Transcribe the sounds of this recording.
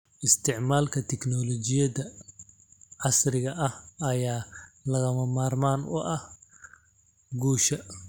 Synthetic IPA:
ʔɪst̪ʰɪʕmaːlkʰɐt̪ʰɛkʰnɔlɔt͡ʃɪjɐðɐ | ʕɑsrɪɣɐʔɐhɐjaːlɐɣɐmɐmaːrmaːnʊ̰ʔɐh | ɡuːʃɐ

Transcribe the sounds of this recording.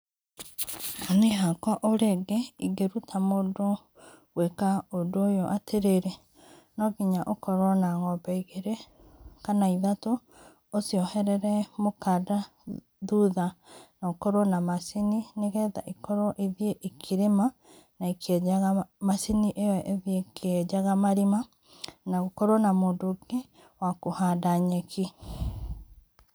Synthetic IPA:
aneɦakɔʔoɾeɡeiɡeɾutʰamoːdo | wekaodojoʔatʰeɾeɾe | nɔɣiɲaʔokɔɾɔnaŋɔbɛiɣeɾe | kanaiðatoː | siɔhɛɾɛɾɛmokada | ðuðanaokɔɾwɔnamasinineɣɛːða̰ʔikɔɾɔʔeðieʔekʰiɾema | naikʰɛaɣamasiniʔeɛʔeðiekʰɛd͡ʒaɣamaɾima | naɣokɔɾwɔnamoːndoɡe | wakohadaɲɛkʰi

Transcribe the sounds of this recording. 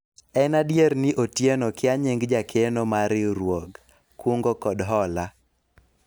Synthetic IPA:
ɛnadjeɾnɪʔotjenokɪaɲeŋɡd͡ʒakʰenomaɾɪɾwoɡ | kwoŋɡokɔdɦɔla

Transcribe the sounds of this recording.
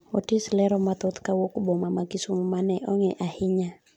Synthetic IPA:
ɔtislɛɾɔmat̪ɔt̪kawokubɔmamakisumumanɛʔɔŋɛʔahiɲa

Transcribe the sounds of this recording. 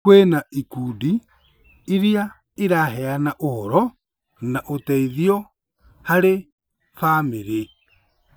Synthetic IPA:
kwenaikuːdi | iɾia | iɾaɦɛanaʔohɔɾɔ | naʔotɛiðiɔ | haɾe | fameɾe

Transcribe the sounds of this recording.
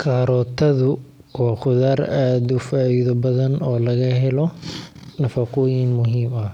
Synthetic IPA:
kʰaːɾɔːt̪ʰɐðʊ | waːχʊðaːraːd̪ʊfaːʔiːðɔbɐðɐnɔːlɐɣɐɦɛlɔnɐfɐqʊjɪnmʊɦiːmɐh

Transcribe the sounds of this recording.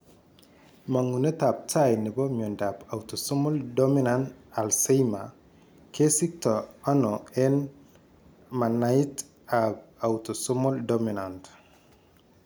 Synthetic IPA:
maŋunɐtap̚tajnibomondapawtosomoldominantalsejma̰ | kesik̚toanoen | manajit | ab̚awtosɔmoldominant

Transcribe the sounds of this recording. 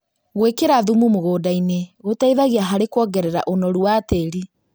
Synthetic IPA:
ɣwekeɾaðumumoɣoːdaineɣotaiðaɣeaɦaɾekwɔːɡɛɾɛɾa̰ʔonɔɾuateɾi

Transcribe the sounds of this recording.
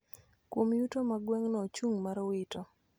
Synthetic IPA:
kwomjutomaɡwɛŋnɔt͡ʃuŋmaɾɔwɪtɔ

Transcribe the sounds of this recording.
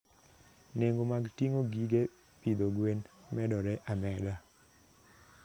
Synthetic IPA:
neŋɡomaɡtiŋoɡiɡe | pid̪oɡwenmɛdɔɾɛʔamɛda

